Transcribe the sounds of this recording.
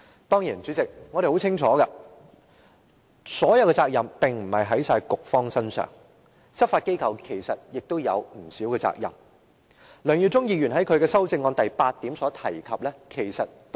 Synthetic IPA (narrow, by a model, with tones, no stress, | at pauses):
t̪ɔː˥ŋjiː˨˩nt͡ʃyː˨˥t͡sɪ˨k̚ŋɔː˨˧ɾe˨jho˨˥wt͡sʰɪ˥ŋt͡ʃʰɔː˨˦ɡɐ˧ | sɔː˨˥jɐ˨˧wɛː˧t͡saː˧k̚jɐ˨mpɪ˨ŋm̩˨˩hɐ˨jɦɐ˨˥jsaː˧jkʊ˨k̚fɔː˥ŋsɐ˥nsœ̰ː˨˩ŋ | t͡sɐ˥p̚faː˧t̚ke˥jkʰɐ˨wkʰe˨˩jsɐ˨t̚jɪ˨k̚t̪o˥wjɐ˨˧wm̩˨˩siː˨˥wkɛː˧t͡sa̰ː˧k̚jɐ̰˨˩m | lœː˨ŋjyː˨˩t͡sʊ˥ŋjiː˧jyː˨˩nɦɐ˨˥jkʰɵ˨˧ɥkɛː˧sɐ˥wt͡sɪ˧ŋːɔː˧nt̪ɐ˨jpaː˧t̚t̪iː˨˥msɔː˨˥t̪ʰɐ˨˩jkʰɐ˨p̚lɛ˥kʰe˨˩jsɐ˨t̚